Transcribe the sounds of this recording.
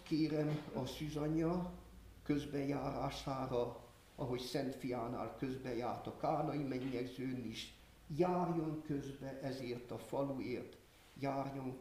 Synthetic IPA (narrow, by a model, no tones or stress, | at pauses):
keːɾɛmɒsyzɒɲɒ | køzbɛjaːɾaːʃaːɾɒ | ɒɦo̞csɛnt̪fijaːna̰ːlkøzbɛjaːrt̪ɒkaːnɒimɛɲːɛɡzøːniʃ | jaːrjo̞ŋkøzbɛʔɛzeːrt̪ɒfɒlueːrt̪ | jaːrjo̞ŋ